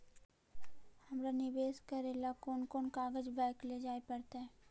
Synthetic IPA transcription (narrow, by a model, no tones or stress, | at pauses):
hɐmɾanɪbeːskaɾeːlakoːnkoːnkaːɡəd͡ʒbɛːkled͡ʒaːepɐɽt̪eɦɛ̃ː